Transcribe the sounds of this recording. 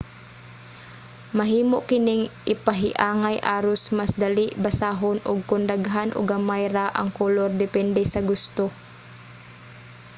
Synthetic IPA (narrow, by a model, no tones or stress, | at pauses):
mɐɦiːmoʔkɪnɪŋʔɪpɐɦɪʔaːŋajʔaːɾʊsmasd̪ɐlɪʔbɐsaːɦonʔʊɡ̚kʊnd̪aɡɦanʔʊ̰ɡɐmajɾaʔɐ̰ŋkoloɾd̪ɛpɛnd̪ɛsɐɡʊst̪o